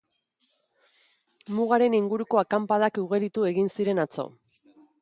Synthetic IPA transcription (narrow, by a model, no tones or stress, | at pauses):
muɣaɾe̞niŋɡuɾuko̞akampað̞akuɣ̞eɾit̪ue̞ɣinsiɾe̞nat͡so̞̰